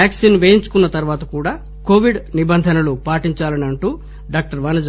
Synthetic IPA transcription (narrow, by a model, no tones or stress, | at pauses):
aːksiːnʋeːjiɲt͡ʃu̥kunːɐt̪ɐɾuʋaːt̪ɐkuːɽaː | ko̞ːʋiɖnibɐnd̪ʱɐnɐlupaːʈiɲt͡ʃaːlɐniɐɳʈuː | ɖaːk̚ʈɐɾʋɐːnɐd͡ʒɐ